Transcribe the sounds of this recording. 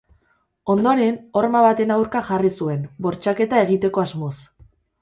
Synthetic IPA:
o̞nd̪o̞ɾeno̞rmaβat̪e̞nawɾkaʝarisue̞nbo̞ɾt͡ʃake̞t̪ae̞ɣ̞it̪e̞ko̞azmo̞s

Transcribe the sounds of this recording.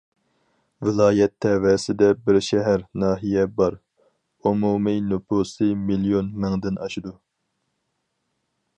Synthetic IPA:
vɪlˠɑːjɛt̪ʰːɛwɛsɪd̪ɛbɪɾʃɛɦæɾnɑːɦijɛbɑɾ | umuminupʰusɨmilijonmɛŋd̪ɪnʔɑʃid̪u

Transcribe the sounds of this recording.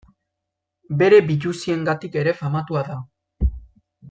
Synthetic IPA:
be̞ɾe̞biʎusie̞ŋɡat̪ike̞ɾe̞famat̪uaða

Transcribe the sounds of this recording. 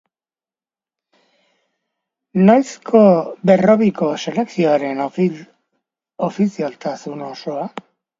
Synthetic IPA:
najskʰo̞be̞ro̞βiko̞se̞le̞ksioaɾe̞n | ofisialt̪asuno̞so̞a

